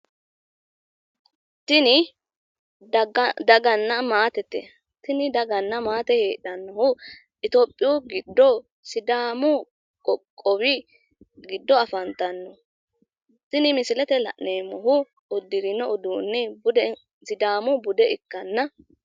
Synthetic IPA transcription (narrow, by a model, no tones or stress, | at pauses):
t̪ɪnɪ | d̪ɐɡɐnːɐmaːt̪ɛt̪ːɛ̰ | t̪ɪnɪd̪ɐɡɐnːɐmaːt̪ɛheːᶑɐnːɔhʊ | ʔɪt̪opʼːɪjuɡɪd̪ːɔ | sɪd̪aːmʊ | kʼɔkʼːɔwɪ | ɡɪd̪ːɔɐfɐnt̪ːɐnːɔ | t̪ɪnɪmɪsɪlɛt̪ɛlɐ̰ʔneːmɔɦʊ | ʊd̪ɪɾɪnɔʔʊd̪uːnːɛbʊd̪ | sɪd̪aːmʊbʊd̪ɛɪkːɐnːɐ